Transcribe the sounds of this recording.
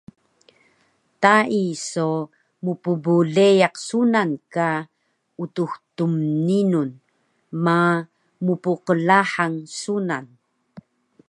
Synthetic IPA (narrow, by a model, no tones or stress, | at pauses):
taiso | mupubuɮejaqsunanka | utuxtumninun | ma | mupuqəlaħaŋsunan